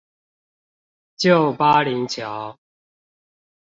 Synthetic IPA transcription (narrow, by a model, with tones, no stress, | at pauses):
t͡ɕjo˥˨ʊpa˦li˨˦ŋt͡ɕʰjɑ˨˦ʊ